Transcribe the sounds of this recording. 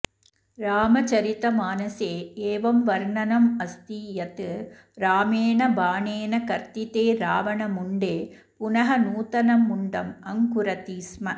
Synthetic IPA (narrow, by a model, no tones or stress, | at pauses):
ɾaːmɐt͡ʃɐɾɪt̪ːɐmaːnɐseːeːʋɐmʋɐɾɳɐnɐmɐst̪ijɐt̪ːɯ | ɾaːmeːnɐbaːɳeːnɐkɐɾt̪ɪt̪eːɾaːʋɐnɐmʊɳɖeː | pʊnɐɦɐnuːt̪ɐnɐmːʊɳɖɐmɐŋkʊɾɐt̪iːsmɐ